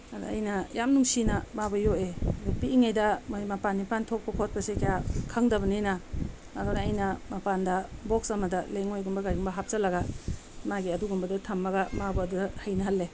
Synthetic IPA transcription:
ɐdṵɐ̰jnɐjamnuŋsinɐmabɐjoeɐdupiiŋajdɐmojmapanːipantʰop̚kɐkʰot̚pɐsekijakʰɐŋdɐβɐnenaː | dɔnaːjnɐmapandɐboksɐmɐdɐleŋojɡumbɐɡajɡumbɐɦap̚zɐlɐɡa | maɡiɐduɡumbɐdutʰɐmːɐɡamabɐːdudɐhajnɐɦɐlːe

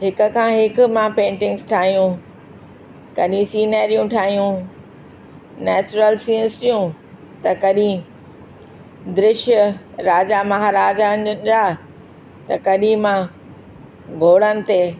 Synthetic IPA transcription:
ɦɪkʊ̆kʰãːɦɪkʊ̆mãpẽːɳʈɪ̃ŋɡsʈʰaːɦijũ | kɐɗĩsiːnɛːɾijũʈʰaːɦijũ | nɛːt͡ɕʊɾəlsiə̃nsijũ | t̪ɐkɐɗĩ | d̪ɾɪʃjəɾaːd͡ʑamɐɦaːɾaːd͡ʑad͡ʑaː | t̪ɐkɐɗĩmã | ɡʱoːɽənɪ̆t̪e

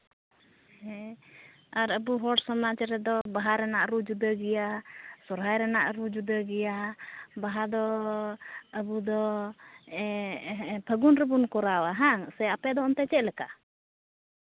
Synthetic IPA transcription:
ɦɛ | aɾəbuɦɔʈsɔmat͡ʃɾɛd̪ɔbaɦaɾɛnaʔɾud͡ʒud̪əɡɛjasɔɾɦajɾɛnaʔɾud͡ʒud̪əɡɛjabaɦad̪ɔ | əbud̪ɔ | ɛ | bʰʱəɡunɾɛbunkɔɾawaɦaŋsɛapɛd̪ɔɔnt̪ɛt͡ʃɛʔ̚lɛka

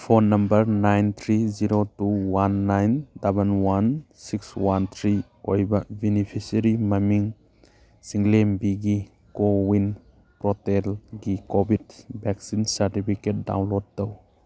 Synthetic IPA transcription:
pʰonːɐmbɐɾnajnt̪ʰɾiziɾotuwanːajndɐbənwansikswant̪ʰɾi | ojbɐbinipʰisɐɾimɐmiŋ | siŋlembiɡi | kowin | pɾɔtelɡikobidbɛk̚sinsɐɾtipʰiket̚da̰wnlod̚ːɐw

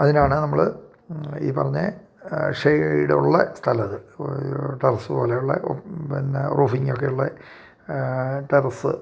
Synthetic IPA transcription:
ɐðinaːɳɨnɐmːɐɭ | ḭːpɐrɐɲːɨ̰ | ʂejɽḛṵɭːɐst̪ʰɐlɐðɨ | ʈerɐsɨpo̞ːlejuɭːɐ̰ʔo̰pinrʔuːfiŋːok̬ːe̞juɭːɐ | ʈerɐsɨ̰

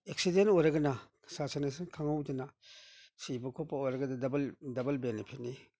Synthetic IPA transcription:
ek̚sidentɔjɾɐɡɐna | sasanasankʰaŋawdana | sibɐkʰɔpːaojɾɐɡɐdadabɐldɐbɐlbenepʰit̚ni

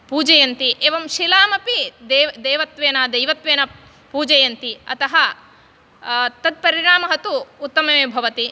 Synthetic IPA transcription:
puːd͡ʒɐjɐnt̪iʔeːʋɐmʃilaːmɐpid̪eːd̪eːʋɐt̪ʋeːnaːd̪ɐjʋɐt̪ʋeːnɐ | puːd͡ʒɐjɐnt̪iɐ̰t̪ɐɦɐ | t̪ɐd̪̚pɐɾiɾaːmɐɦɐt̪uːt̪ːɐmɐeːbʱɐʋɐt̪i

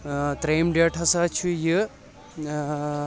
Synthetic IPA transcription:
t̪ɾeːmɖeʈʰɐsaːt͡ʃʰujɨ

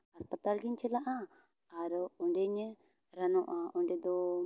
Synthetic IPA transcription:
aspat̪alɡiɲt͡ʃɛlaʔa | aɾɔɳɖɛɲɛ | ɾanɔʔaɔɳɖɛd̪ɔ

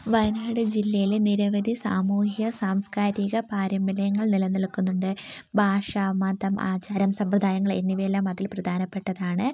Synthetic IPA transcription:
ʋɐjnaːɽɨd͡ʑilːɐjileniɾɐʋɐd̪ʱisa̰ːmuːhiɣɐsaːmskaːɾiɣɐpaːɾɐmbilɐjɐŋːɐɭnilɐnːɐlkːunːuɳɖɨbʱaːʂaːmaːnd̪ɐma̰ːt͡ɕaːɾɐmsɐmprɐd̪ʱaːjɐŋːɐɭe̞̰nːiʋelːaːmɐðilprɐd̪ʱaːnɐpːe̞ʈːɐðaːɳɨ

